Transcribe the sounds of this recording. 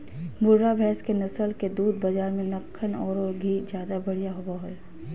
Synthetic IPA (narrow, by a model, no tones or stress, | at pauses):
bʊɾːaʋʱɛːskenɐsəlked̪uːd̪̚bɐd͡ʒaːɾmẽnɐkʰːənɔːɾoɡʱiːd͡ʒjaːd̪abɐɽ̤ijaɦobaɦoe